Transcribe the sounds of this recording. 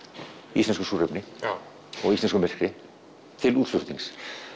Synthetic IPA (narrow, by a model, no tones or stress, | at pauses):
isɛnskʏsuːrɛpnɪ | ɔɣist̪ɛnskʏmɛr̥kɾɪ | t̪ʰɪluːðsʏft̪iŋs